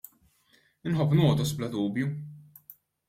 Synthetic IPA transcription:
ɪnħɔpːnɔːd̪ɔsblɐd̪uːbju

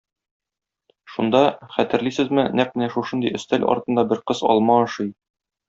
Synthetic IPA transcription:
ʃund̪ɑχæt̪ɘ̆ɾlisɘzmɘnæq̚mɘ̆næʃuʃɤnd̪ijɵ̆st̪ælɒ̰ɾt̪ɤ̆nd̪ɑbɘɾqɤzɒ̰lˠmɑɒ̆ʃɤj

